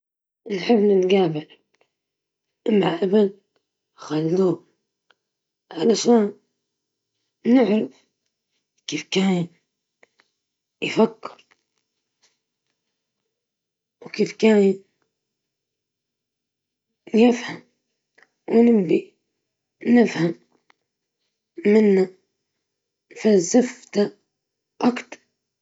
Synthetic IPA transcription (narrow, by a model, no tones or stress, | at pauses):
nħɪbːnɪnɡaːbɪɾ | ʔɪmaʔabal | xalːuː | ʕalaʃaːn | nɪʕɾɪf | kiːfkaːn | jfakːɪɾ | wkiːfkaːjn | jɪfham | wnɪmbi | nɪfham | ɪnːa | nfazɪft̪a | ʔɑkt̪ɾ